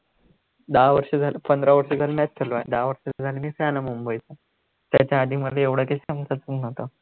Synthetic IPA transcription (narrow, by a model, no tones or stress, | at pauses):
d̪aʋəɾʂəd͡zʱalʔəpənd̪ɾaʋəɾʂəd͡zʱalmat̪̚tʰəloa̰d̪aʋəɾʂəd͡zd͡zʱalenisjanamumbəjt͡sa | t̪jat͡ɕjaːd̪ʱiːməd̪ʱleeʋɽ̤əkeɕamsat͡suknawt̪a